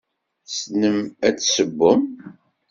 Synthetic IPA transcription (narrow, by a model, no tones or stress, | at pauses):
snəmæt͡sːsəbːəm